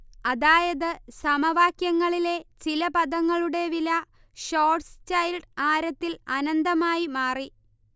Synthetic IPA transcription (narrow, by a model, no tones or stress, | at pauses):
ɐðaːjɐðɨsɐmɐʋaːkjɐŋːɐɭile̞t͡ɕilɐpɐðɐŋːɐɭuɽe̞ʋilɐ | ɕo̞ːrʈst͡ɕɐjlɖaːɾɐt̪ːilɐnɐnd̪ɐmaːjimaːri